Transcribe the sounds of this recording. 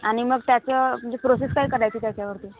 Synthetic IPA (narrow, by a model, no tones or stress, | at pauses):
aɽ̃iməɡt̪jat͡səəd͡ʑepɾoseskaiːkəɾajt̪iːt̪jat͡ɕjaʋəɾt̪iː